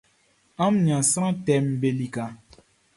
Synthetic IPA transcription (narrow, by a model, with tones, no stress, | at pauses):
a˦mɲã˨sa˦ɾã˦tɛ˦m˦be˦li˦ka˨